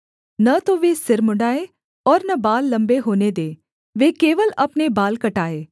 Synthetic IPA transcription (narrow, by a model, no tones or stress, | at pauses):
nɐt̪oʋeːsɪɾmʊɳɖaːe | ɔːɾnɐbaːlːɐ̃mbeɦoːned̪eː | ʋeːkeːʋəlɐpnebaːlkɐʈaːeː